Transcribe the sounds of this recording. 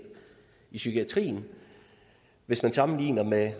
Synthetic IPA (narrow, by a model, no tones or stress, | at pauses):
isykʰiæt͡sʰʁḭːn̩ | ʋe̝smænsɑ̈mn̩liːnɐme